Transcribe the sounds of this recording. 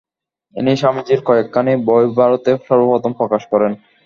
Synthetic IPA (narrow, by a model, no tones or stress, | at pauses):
ḭniʃamid͡ʑiɾkɔekːanebɔobʱaɾot̪eʃɔɾbobɔt̪ompɾɔkaʃkɔɾen